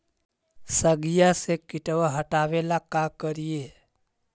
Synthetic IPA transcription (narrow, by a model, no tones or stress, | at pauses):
səɡijasekɪʈʋaɦəʈaʋelakakəɾije